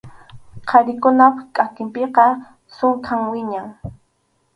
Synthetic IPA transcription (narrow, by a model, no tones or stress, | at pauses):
qʰɑɾɪkʊnapkʼakɪmpeqɑ | sʊŋkʰaŋwɪɲaŋ